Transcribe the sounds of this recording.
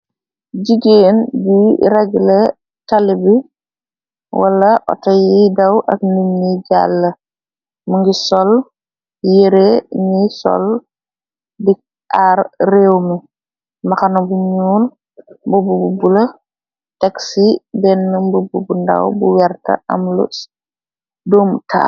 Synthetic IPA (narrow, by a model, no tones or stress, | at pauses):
ɟiɡeːnɟiɾɛɡle | talibi | wʔa̰lɐʔɔ̰tajidawʔakniɲːiɟa̰lːɐ | muŋɡisɔl | jeɾenisɔ̰l | dik̚ | aɾrewmi | maxanɐbuɲuːl | mbubububulɐ | tɛksibɛnːumbububunda̰wbuwɛɾtɐ̰ʔa̰mlṵs | duːmtʰa̰